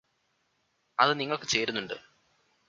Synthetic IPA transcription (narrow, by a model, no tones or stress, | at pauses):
ɐðɨniŋːɐɭkɨ̥t͡ɕe̞ːɾunːuɳɖɨ